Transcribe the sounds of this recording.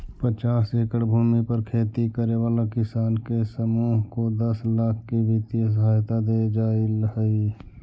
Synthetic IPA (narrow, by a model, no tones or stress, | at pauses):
pət͡ʃaːseːkəɽbʱuːmipəɾkʰeːt̪ikəɾeʋaːlakɪsaːnkesəmuːɦkod̪ɐslaːkʰkiʋɪt̪iəs̬əɦaːjt̪ad̪eːd͡ʒaːɪləɦəi